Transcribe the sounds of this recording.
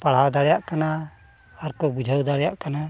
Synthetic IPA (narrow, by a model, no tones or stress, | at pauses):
paɽ̤ad̪aɽɛjaʔkana | aɾkɔbid͡ʒʱəwd̪aɽɛjaʔkana